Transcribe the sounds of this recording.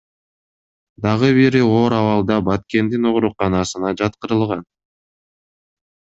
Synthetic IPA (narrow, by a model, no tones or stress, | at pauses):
d̪ɑʁɯβiɾio̞ːɾɑvɑlˠd̪ɑbɑt̪ke̞nd̪ino̞ʁɾuqɑnɑsɯnɑd͡ʒɑt̪qɯɾɯlˠʁɑn